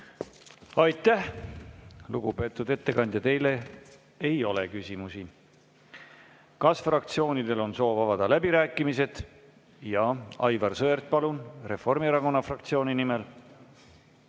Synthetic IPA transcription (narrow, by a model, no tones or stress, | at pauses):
ɑjt̪ːˑæh | luɡupe̞ːt̪ːˑud̪e̞t̪ːe̞kɑnd̪jɑt̪e̞jle̞ | e̞jo̞lekysʲimusi | kɑsfrɑkt̪sio̞ːnid̪e̞lo̞nso̞ːvɑvɑd̪̥ɑlæbiɾæːkːˑimise̞d̪̥ | jɑɑ̰jvɑrsɤert̪̚pɑlunre̞fo̞rmieɾɑko̞nːɑfrɑkt̪sioːninimel